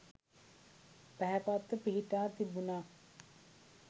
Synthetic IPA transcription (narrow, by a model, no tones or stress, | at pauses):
pæɦɛpat̪ːəpiɦiʈaːt̪ibunaː